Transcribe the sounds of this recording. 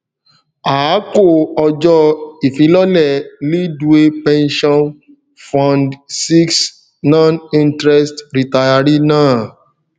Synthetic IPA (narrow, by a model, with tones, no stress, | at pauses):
a˨˦ko˦˨ɔ˧d͡ʒɔ˧i˨fĩ˦lɔ˦lɛ˦˨li˦du˦e˦pɛ̃˦nʃɔ̃˦n | fɔ̃˦ndsi˦ks | nɔ̃˦nĩ˦ntɾɛ˦stɾi˨ta˧ja˧ɾi˦nãː˦˨